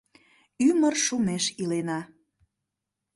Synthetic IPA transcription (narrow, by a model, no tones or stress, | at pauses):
ymərʃumeʃilenɑ